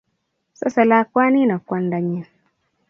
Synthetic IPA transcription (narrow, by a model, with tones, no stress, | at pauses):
sa̰˦sa˨la˦kwa˦ni˦na˨kwa˦nda˨ɲɛ˦˨